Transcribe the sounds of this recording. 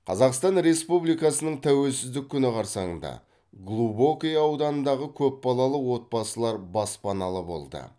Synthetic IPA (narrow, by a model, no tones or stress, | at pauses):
qʰɑzɑqst̪ɑnɾe̞spublijkɑsənəɴt̪ʰæwe̞lsɪzd̪ɪkʲʰːʏnɪqʰɑɾsɑɴənd̪ɑ̰ | ɡlˠubokʲejɑwd̪ɑnənd̪ɑʁəkʲʰɵp̚bɑlˠɑlˠəwo̞t̪̚bɑsəlˠɑɾbɑspɑnɑlˠəbo̞̰lˠd̪ə̰